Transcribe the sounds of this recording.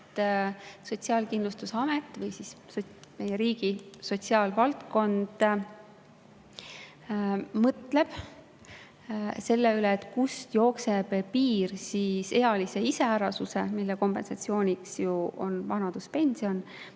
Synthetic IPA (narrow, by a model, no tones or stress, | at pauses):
t̪ːso̞t̪ʲsiɑːlkind̪lust̪useɑmet̪ːˑvɤjsissome̞jeɾiːɡ̥iso̞t̪ʲsiɑːlvɑlt̪ko̞nd̪̥ | mɤt̪le̞b̥ | se̞lːeyleːt̪ːˑkust̪jo̞ːkse̞b̥piːrsise̞jɑlise̞iseæɾɑsuse̞milːeko̞mpe̞nsɑt̪ʲsio̞ːnʲiksjuo̞̰nvɑnɑd̪̥uspe̞nʲsio̞n